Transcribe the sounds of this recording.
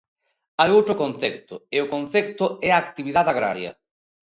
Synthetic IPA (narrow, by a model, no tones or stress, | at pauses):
ajowt̪ɾʊkonθɛkt̪ʊɪʊkon̟θɛkt̪ʊɛaːkt̪iβiðaðaɣɾa̰ɾjɐ̰